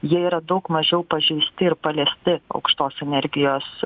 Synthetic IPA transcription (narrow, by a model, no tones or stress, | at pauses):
jiɛiːɾɐd̪ɐʊkmɐʒʲɛʊpɐʒʲɛɪsʲt̪ʲɪɪɾpɐlʲɛːsʲt̪ʲɪɐ̰ʊkʃt̪oːsɛnʲɛɾʲɡʲɪjoːs